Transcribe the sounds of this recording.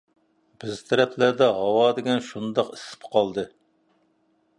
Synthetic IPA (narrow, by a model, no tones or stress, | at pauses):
b̥ɪzt̪ʰɛɾɛpʰlæd̪ɛɦɑwɑːd̪ɪɡʲɛnʃund̪ɑqisɪ̥p̚qʰɑlˠd̪ɨ